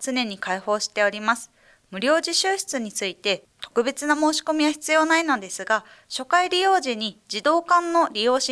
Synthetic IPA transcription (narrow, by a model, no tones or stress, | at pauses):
t͡sɨne̞ɲ̟ikaiho̞ːɕi̥t̪e̞oɾʲimasɨ̥ | mɯ̟ɾʲo̞ːʑiɕɨːɕi̥t͡sɨɲ̟it͡sɨit̪e̞ | t̪o̞kɯ̟be̞t͡sɨnamo̞ːɕi̥ko̞mʲiβaçi̥t͡sɨjo̞ːnaino̞d̪e̞sɨɡa | ɕo̞kaiɾʲijo̞ːʑiɲ̟id͡ʑid̪o̞ːkãnːo̞ɾʲijo̞ːɕi